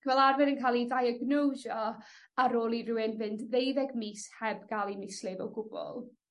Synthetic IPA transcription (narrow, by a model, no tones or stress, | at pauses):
kʰvɛlˠarvɛnənkʰaːlˠidajəɡnowʒɔ | aɾoːlˠiruwɪnvɨndðejðɛɡmishɛbɡalˠimɪslɪvɛlˠɡʊb̥ɔ̰lˠ